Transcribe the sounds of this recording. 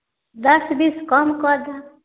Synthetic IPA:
d̪ʌsbiskɔmkʌd̪a

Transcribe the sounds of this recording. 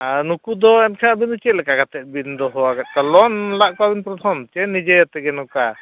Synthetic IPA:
aɾnukud̪ɔɛnkʰabind̪ɔt͡ʃɛʔ̪̚lɛkaɡat̪ɛt̪̚ˀbind̪ɔɦɔwaɡat̪̚kalɔnlaʔkɔabinpɾɔt̪ʰɔmt͡ʃɛnːid͡ʒɛɛt̪ɛɡɛnɔka

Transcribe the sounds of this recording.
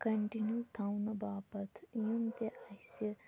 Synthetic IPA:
kɐɳʈinjut̪ʰawnɐbaːpɐt̪ʰjumt̪eʔasɐ

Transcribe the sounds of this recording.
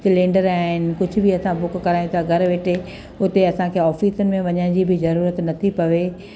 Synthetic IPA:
tlẽːɳɖəɾaːɦɪnɪ̆kʊd͡ʑʱʊ̆bɪɐsãbʊkkɐɾaːĩt̪ʰaɡʱɐɾʋeːʈʰe | ʊt̪eɐsãkʰeːɔːfiːsənɪ̆mẽʋɐɲəɪ̃d͡ʑibɪzɐɾuːɾət̪nɐt̪ʰipɐʋe

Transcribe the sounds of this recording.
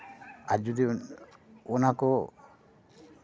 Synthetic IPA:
aɾd͡ʒɔd̪i | ɔnakɔ

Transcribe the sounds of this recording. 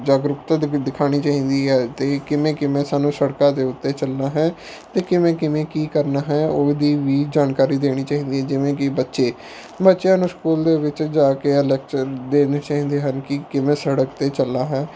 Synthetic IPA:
d͡ʒaːɡɾʊkt̪ad̪ɪkʰaːɽ̃iːt͡ʃaːĩːd̪iːɦɛːt̪eːkɪmẽːkɪmẽːsaːnũːsəɽkãːd̪eːʊt̪ːeːt͡ʃəlnaːɦɛ̃ː | t̪eːkɪmɛ̃ːkɪmẽːkiːkəɾnaːɦɛːoːd̪iːʋiːd͡ʒaːnkaːɾiːd̪eːɽ̃iːt͡ʃaːɦĩːnd̪iːɦɛːd͡ʒɪʋẽːkɪbətːʃeː | bətːʃjãːnũːskuːld̪eːʋɪt͡ʃd͡ʒaːkeːɛlɛːk̚t͡ʃəɾd̪eːneːt͡ʃaːɦĩːnd̪eːɦənkɪkɪmẽːsəɽəkt̪eːt͡ʃəlːaːɦɛ̃ː

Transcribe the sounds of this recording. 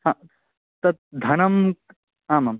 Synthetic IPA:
ɦãː | t̪ɐt̪̚d̪ʱɐnɐm | ɦaːmam

